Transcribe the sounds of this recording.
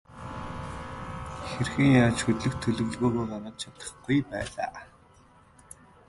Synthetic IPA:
xerxɘ̆ŋjaːt͡ɕxɵt̪ɮɘ̆kt̪ʰɵɮɵ̆ɣ̆ɮɣoːɣoːpanăt̪̚t͡ɕʰat̪ə̥̆χɡujpæ̰ːɮa̰ː

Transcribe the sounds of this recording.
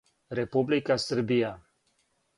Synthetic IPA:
ɾɛpublikasəɾbija

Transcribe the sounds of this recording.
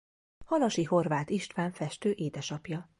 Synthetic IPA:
hɒlɒʃiho̞rvaːt̪iʃt̪ʋaːɱfɛʃt̪øːʔeːd̪ɛʃɒpjɒ

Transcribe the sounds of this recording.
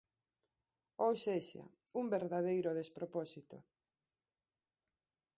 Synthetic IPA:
owʃeʃa̰ | uŋbeɾðað̞ejɾʊðespɾopɔsit̪o̰

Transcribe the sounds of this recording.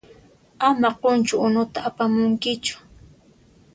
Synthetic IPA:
amaqont͡ʃʊʊnʊt̪aːpamʊŋkɪt͡ʃʊ̥

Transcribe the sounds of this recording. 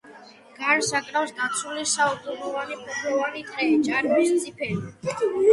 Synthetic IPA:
ɡ̥aɾsakʼɾafsd̪at̪sʰulisaud̪zunɔvanipʰʼupʰɾɔvanit̪ʼɾɛt͡ʃʼaɾmist̪sʰʼipʰɛli

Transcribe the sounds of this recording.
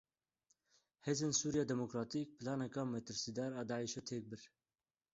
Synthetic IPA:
heːzeːnsuːɾijɑːd̪ɛmokɾɑːt̪iːk̚pɨlɑːnɛkɑːmɛt̪ɨɾsiːd̪ɑːɾɑːd̪ɑːʕiʃɛt̪ʰeːk̚bɨɾ

